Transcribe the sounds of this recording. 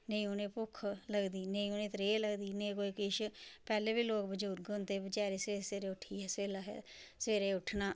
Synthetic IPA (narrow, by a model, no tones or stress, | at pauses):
neĩʊnẽːpʊkʰləɡd̪iːneĩʊnẽːt̪ɾeːləɡd̪iːnẽːkoːiːkɪʃpɛːleːbiːloːkbəd͡ʒuːɾɡont̪eːbət͡ʃaːɾeːseːɾeseːɾeːʊʈʰːiːɛːseːlaːɦɛ̰səʋeːɾeːʊʈʰnaː